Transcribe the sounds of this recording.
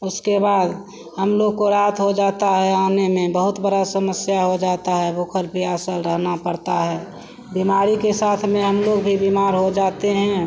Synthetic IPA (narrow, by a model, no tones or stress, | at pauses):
ʊskebaːd̪ | həmloːɡ̚koɾaːt̪ʰɦod͡ʒaːt̪aɦɛaːnemẽbəɦʊt̪bəɾasəməsjaɦod͡ʒaːt̪aɦɛbʱoːkʰəɾpijaːsəlɾəɦnapəɾt̪aɦɛː | bimaːɾikesaːt̪ʰmẽɦəmloɡbʱibimaːɾɦod͡ʒaːt̪eɦɛ̃ː